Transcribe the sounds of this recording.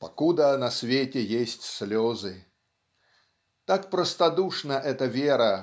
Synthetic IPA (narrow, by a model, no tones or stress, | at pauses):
pɐkud̪ənɐsʲvʲetʲɛjesʲtʲsʲlʲɔzɨ | t̪akpɾəst̪ad̪uʂnɐʔɛt̪əvʲeɾɐ